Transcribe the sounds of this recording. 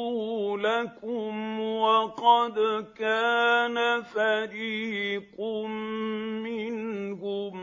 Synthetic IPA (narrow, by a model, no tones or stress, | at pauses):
lakʊmwaqɑd̪kaːnafadiːqʊmmɪnkʊm